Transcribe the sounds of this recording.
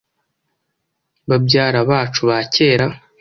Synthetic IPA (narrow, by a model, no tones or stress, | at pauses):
βabɟaːɾaβaːt͡ʃuβace̞ːɾa